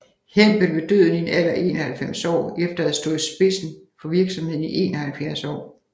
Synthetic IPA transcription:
hem̰b̥əlʋe̝d̥øð̰ˠn̩inæl̰ɐʔe̝̰ːnɐhælfem̰sɒ̰ːefd̥ɐæð̩ˠsd̥o̝ðˠsb̥e̝sn̩fɒ̽ʋiɐɡ̥sɒ̽mhe̝ð̰ˠn̩iʔe̝̰ːnɒhælfjæɐsɒ̰ː

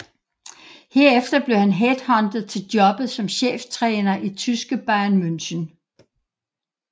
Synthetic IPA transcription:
he̝ɐ̰efd̥ɐb̥le̝hænɦed̥hɒ̽nd̥ð̩ˠt͡sʰe̝ld̥jɒ̽b̥ð̩ˠsɒ̽mɕḛːft͡sʰʁɛːnɐʔit͡sʰysɡ̥əb̥ɑ̈ɪɐnmønɕən

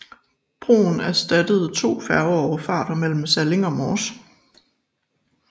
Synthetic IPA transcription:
b̥ʁo̝̰ːn̩æɐsd̥æd̥əð̞̩ˠt͡sʰo̝̰ːfæɐʊɒɒʊɐfɑ̈ːɾ̥ɐmel̰m̩sæle̝ŋɒ̽mɒːs

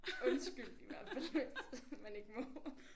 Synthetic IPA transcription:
ɔ̽nsɡ̥yl̰d̥iʋæɐ̰fæledmæne̝ɡ̥əmɔ

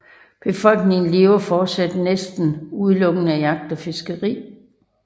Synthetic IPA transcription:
b̥e̝fɒ̽l̰ɡ̥ne̝ŋn̩le̝ːʊɐfɒːd̥sæd̥nesd̥n̩uð̞ˠlɔ̽ɡ̥ən̩æjɑ̈ɡ̥̚d̥ɒ̽fe̝sɡ̥əʁḭː

